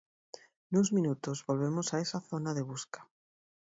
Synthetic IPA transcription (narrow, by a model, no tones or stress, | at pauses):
nuzmĩnut̪ozβolβemosaesaθonaðeβ̞uskḁ